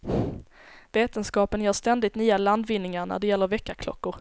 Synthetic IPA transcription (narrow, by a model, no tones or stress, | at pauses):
veːt̪ənskɑːpənjœːʂt̪ɛnd̪ɪt̪nyːaland̪vɪnːɪŋaɾɳæ̰ɖɛjɛlːəɾvɛkːakʰlɔ̰kːʊɾ